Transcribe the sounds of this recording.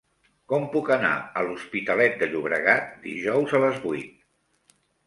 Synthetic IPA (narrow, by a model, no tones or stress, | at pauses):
kɔmpukəna̰əluspit̪əlɛt̪̚d̪əʎuβɾə̰ɣat̪̚d̪ḭʒɔwzələzβujt̪̚